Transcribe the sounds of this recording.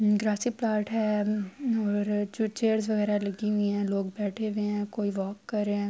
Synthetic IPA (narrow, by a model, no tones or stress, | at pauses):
ɡɾaːsiplaːɾʈɦɛː | ɔːɾt͡ʃeːəɾzʋɐɣɛːɾalɐɡiɦʊĩɦɛ̃ːloːɡ̚bɛːʈʰeʋeɦɛ̃koːiʋɔːkːɐɾeɛ̃ː